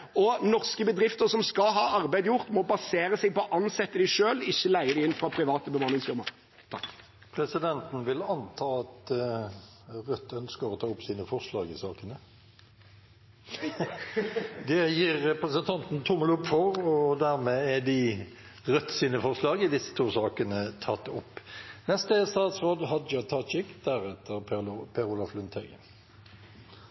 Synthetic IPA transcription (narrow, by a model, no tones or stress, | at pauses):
ɔnɔʁskəbəd̪ɾɪft̪əʁsɔmskɑɦɑːɑʁbæɪd̪əjʊʁt̪mɔbɑseːɾəsɛɡ̚pɔʔɑnsɛt̪ːəd̪ɪʃøːlɪçːəlæɪəd̪ɪɪnːfʁɑːpʰʁɪʋɑːt̪əbəmɑnɪŋsfɪʁmə̰ɾ | t̪ʰɑ̰k | pʰɾɛsɪd̪ɛnt̪n̩ʋɪlɑnt̪ʰɑːɑt̪ | ʁœt̪ʰːœnskəɾɔt̪ʰɑːʊpsiːnəfɔʁʂlɑːɡɪsɑːkənə | d̪ɛjiːʁːɛpɾəsənt̪ʰɑnt̪n̩t̪ʰʊməlʊpfɔʁɔd̪æʁmeːɛd̪ɪʁœt̪ːsiːnəfɔʁʂlɑːɡɪd̪ɪsːə̥t̪ʰuːsɑːkənət̪ʰɑt̪ːʊpːnɛst̪əst̪ɑːt̪sʁoːd̪ɦɑd̪d͡ʒɑt̪ʰɑt͡ʃɪkd̪̥æɾɛt̪ʰəɾpʰɛʁʊlɑflʉnt̪ʰhæɡə̰